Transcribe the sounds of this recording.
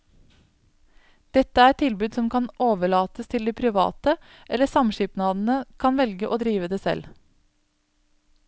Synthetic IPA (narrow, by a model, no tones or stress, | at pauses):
d̪̥ɛt̪əæɾɛt̪ʰɪlbʉːd̪sɔmkʰɑnʔoːʋəɭɑːt̪əst̪ʰɪld̪iːpʰɾɪʋɑ̰ːt̪ə | ʔɛləsɑmʃɪpnɑːd̪n̩əkʰɑnʋɛlɡəʔoːd̪ɾiːʋəd̪eːsɛ̰l